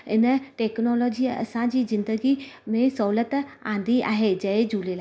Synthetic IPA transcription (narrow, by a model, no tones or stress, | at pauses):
ɪnəʈeːknɔːlɔːd͡ʑiɐ̰sãd͡ʑiːzɪ̃nd̪əɡimẽsɔɦulət̪ã̰ːn̆d̪iʔa̰ːɦed͡ʑɐed͡ʑuːlelaː